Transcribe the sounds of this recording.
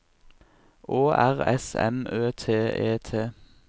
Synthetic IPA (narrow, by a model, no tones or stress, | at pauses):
ʔoːʔæʁɛ̰sɛ̰møːt̪ʰeːeːt̪ʰeː